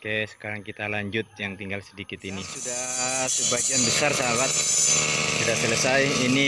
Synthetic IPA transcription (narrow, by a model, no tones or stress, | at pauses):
kɛsə̥kaɾaŋkit̪alaɲd͡ʒʊt̪̚jaŋt̪iŋɡalsədikɪt̪inisudahsəbaɡianbəsarsaawat̪̚ | kit̪asələsajini